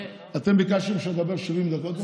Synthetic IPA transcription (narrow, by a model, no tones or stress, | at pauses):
at̪embikaʃemʃad̪abeʁʃivimd̪akot̪